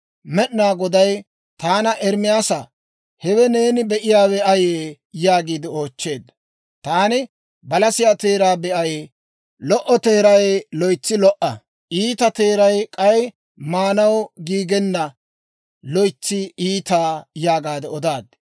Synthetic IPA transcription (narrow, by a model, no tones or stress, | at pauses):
mɛɗnaːɡɔd̪ɐj | t̪aːnɐʔɛɾmɪjaːsɐ | hɛwɛne̞ːnɪbɛʔɪjaːwɛʔɐjeː | jaːɡiːd̪ɪo̞ːt͡ʃːe̞ːd̪ɐ | t̪aːnɪ | bɐlɐsɪjat̪eːɾaːbɛʔɐj | lɔʔɔt̪e̞ːɾɐjlɔjt͡sːɪlɔʔɐ | ʔiːt̪ɐt̪eːɾɐjkʼɐj | maːnɐwɡiːɡɛnːɐ | lɔjt͡sːɪiːt̪aːjaːɡaːd̪ɛɔd̪aːd̪